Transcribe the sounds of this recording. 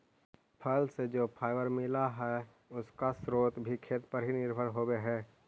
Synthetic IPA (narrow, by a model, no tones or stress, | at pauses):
pʰəlsed͡ʒoːpʰaːɪʋəɾmɪlaɦɛ | ʊskasɾoːt̪bʱikʰeːt̪pəɾɦinɪɾbʱəɾɦoːweɦɛː